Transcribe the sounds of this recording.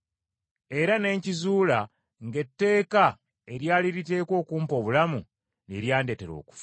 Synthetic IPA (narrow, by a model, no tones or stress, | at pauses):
e̞ɾane̞ːɲcizuːla | ŋɡe̞tːe̞ːka | eɾjaːliɾite̞ːkwo̞ːkuːmpo̞ːβulamu | nḛɾjaːnde̞te̞ɾo̞̰ːku̥f